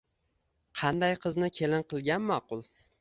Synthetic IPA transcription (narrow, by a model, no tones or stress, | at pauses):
qʰɑnd̪ajqʰɨznɪkʲʰe̞lɪnqʰɨlˠɡʲanmɑqʊlˠ